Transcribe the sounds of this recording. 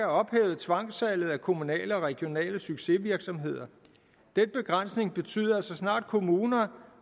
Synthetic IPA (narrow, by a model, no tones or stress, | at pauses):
æɒ̽b̥hḛːʊð̩ˠt͡sʰʋɑ̈ŋ̰sælð̩ˠækʰo̝munɛ̰ːləɒ̽ʁɛɡ̥jo̝nɛ̰ːləsyɡ̥se̝ʋiɐɡ̥sɒ̽mɦe̝ð̞̰ˠɐ | d̥enb̥e̝ɡ̥ʁan̰sne̝ŋb̥e̝t͡sʰy̰ːðˠɐsɒ̽snɑ̰̈ːd̥̚kʰo̝muːnɐ